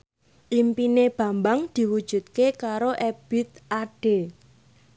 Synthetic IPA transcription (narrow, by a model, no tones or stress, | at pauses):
ʔimpineb̥ä̤mbaŋd̪̥i̤wud̥ʒ̥ṳt̪̚kekaɾoʔɛb̥i̤t̪̚ʔaɖ̥e